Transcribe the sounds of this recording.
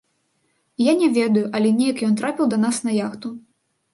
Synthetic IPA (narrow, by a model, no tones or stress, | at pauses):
janʲɛvʲɛd̪ɐjuʔɐlʲɛnʲɛjɐkjɔnt̪ɾapʲiwd̪ɐnasnɐjaxt̪u